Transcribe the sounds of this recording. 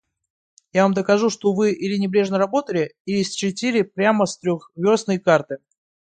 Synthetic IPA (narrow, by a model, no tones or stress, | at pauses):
javamd̪əkɐʐuʂt̪o̞vɨʔilʲɪnʲɪbɾʲe̞ʐnəɾɐbo̞t̪əlʲɪiɪsʲt͡ɕɪtʲilʲɪpɾʲaməst̪ɾʲoxvʲo̞snəjkart̪ɨ